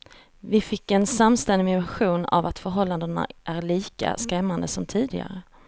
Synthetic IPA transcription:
vɪfɪkːɛnsamːst̪ɛnd̪ɪmɪmaɧuːna̰vat̪fœɾɦɔlːand̪əna̰ʔæɾɭiːka̰skɾɛmːand̪əsɔmt̪ʰiːd̪ɪɡa̰ɾə

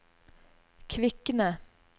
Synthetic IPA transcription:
kʰʋɪkənə

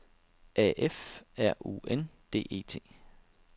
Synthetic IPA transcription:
ɛʔefæɐ̰ʔṵend̥e̝̰ːʔe̝̰ːt͡sʰe̝̰ː

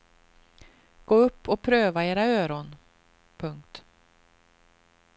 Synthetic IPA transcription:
ɡ̥oːɵpːɔpʰɾøːvaeːɾaøːɾɔn | pʰɵŋk̚t̪

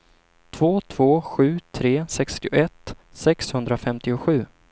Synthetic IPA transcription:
t̪ʰv̥oːt̪ʰv̥oːɧʉ̟ːt̪ʰɾeːsɛkst̪ɪʊ̰ʔɛt̪ː | sɛkshɵnd̪ɾafɛmt̪ɪʊɧʉ̟ː

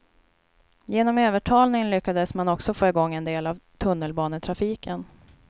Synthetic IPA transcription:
jeːnɔmøːvəʈʰɑːlnɪŋnlʏkːad̪əsmanɔksɔfoːɪɡɔŋːɛnd̪eːlavt̪ʰɵnːəlbɑːnət̪ʰɾafiːkʰən

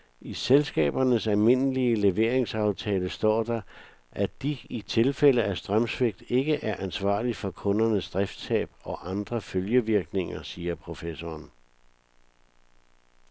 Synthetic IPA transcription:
iselsɡ̥ɛ̰ːb̥ɐnəsælme̝nəliəle̝ʋe̝ɐ̰e̝ŋsɑ̈ʊt͡sʰɛːləsd̥ɒ̰ːd̥ɑ̈ | ʔæd̥iit͡sʰe̝lfel̰əæsd̥ʁɶmsʋeɡ̥̚d̥e̝ɡ̥əʔæɐʔænsʋɑ̰̈ːlifɒ̽kʰɔ̽nɐnəsd̥ʁɛfd̥sɛ̰ːb̥̚ɒ̽ʔɑ̈nd̥ʁɐføljəʋiɐɡ̥ne̝ŋɐsiːɐpʰʁo̝fesɒːn

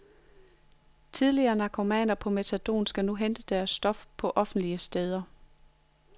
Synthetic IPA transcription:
t͡sʰið̞ˠliɐːnɑ̈kʰo̝mɛ̰ːnɐpʰɒ̽met͡sʰæd̥o̝̰ːnsɡ̥ænuɦend̥əd̥æɐsːd̥ɒ̽fpʰɒ̽ʔɒ̽fn̩d̥liəsd̥eð̞ˠɐ

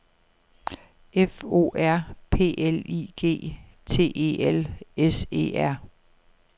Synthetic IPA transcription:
ʔefo̝̰ːæɐ̰pʰe̝̰ːʔelḭɡ̥e̝̰ː | t͡sʰe̝̰ːʔe̝̰ːelese̝̰ːæɐ̰

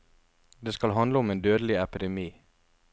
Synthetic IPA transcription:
d̪eːskɑlɦɑnd̪əʊmeːnd̪øːd̪əlɪɛpɪd̪ɛmiː

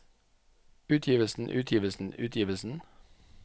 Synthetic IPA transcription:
ʉːt̪ʰjiːʋəlsn̩ʔʉːt̪ʰjiːʋəl̩sn̩ʉːt̪ʰjiːʋəlsn̩

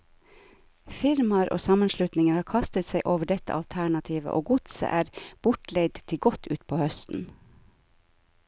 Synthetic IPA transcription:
fɪɾmɑɾʔo̰ːsɑmənʃlʉt̪nɪŋəɾhɑːkʰɑst̪ət̪sæɪʔoːʋəɖɛt̪ə̰ʔɑlt̪ʰæɳɑt̪ʰiːʋə̰ʔoːɡʊt̪sə̰ʔæːɾb̥ʊʈlɛɡd̪t̪ʰɪɡɔt̪ʰʉ̰ːt̪pʰoːhœst̪n̩

